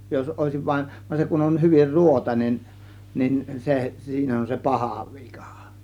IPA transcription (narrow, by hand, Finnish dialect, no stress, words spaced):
jos oˑe̝siʋ ʋɑin ʋɑn se kun on hyʋir ruotɑinen nin se siːn on se pɑhɑˑ ʋi̥kɑ̥ˑ